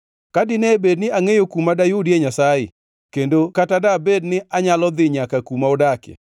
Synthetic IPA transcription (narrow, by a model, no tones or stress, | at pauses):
kadɪnɛbednɪaŋejokumadajʊdieɲasaɪ̰ | kendokatadabednɪʔaɲalɔd̪ɪɲakakumaodakḛ